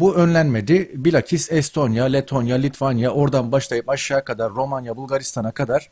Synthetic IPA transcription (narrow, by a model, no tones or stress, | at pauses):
buø̞nlʲænme̞d̪ɪbilʲacʰisɛst̪ʰo̞njalʲet̪ʰo̞njalʲit̪ʰvanjaʔo̞ɾd̪anbaʃlˠajɯpaʃːaːkʰad̪aɾːo̞manjabulˠɡaɾist̪ʰanakʰad̪aɾ̥